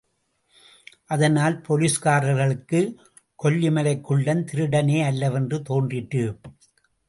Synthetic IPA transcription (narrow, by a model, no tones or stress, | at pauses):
ʔɐðɐnaːlpʰɔliːskaːɾɐɣɐɭɯkːɯ | kɔlːɪmɐlɐɪkːɯɭːɐnt̪ɪɾɯɽɐneːɐlːɐʋɛndrɯt̪oːndrɪʈːɯ